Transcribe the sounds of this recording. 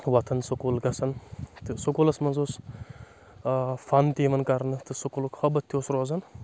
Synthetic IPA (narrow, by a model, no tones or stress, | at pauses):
ʋɐt̪ʰɐnsokoːlɡɐsɐnt̪ɨsukolɐsmɐnzoːs | fant̪iːʋɐnkɐɾnɨt̪ɨsukolukhɐbɐt̪ʰʲːjoːsɾoːzɐn